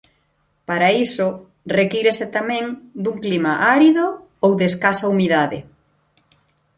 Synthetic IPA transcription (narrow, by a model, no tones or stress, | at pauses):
paɾaisʊ | rekiɾeset̪amɛ̃ŋd̪uŋklimaʔaɾiðo | owðeːskasaumiðaðɪ̰